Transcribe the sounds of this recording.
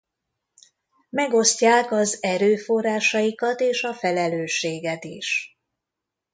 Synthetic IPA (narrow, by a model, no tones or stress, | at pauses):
mɛɡo̞scaːkɒzɛɾøːfo̞raːʃɒjikɒt̪eːʃɒfɛlɛløːʃːeːɡɛt̪ḭʃ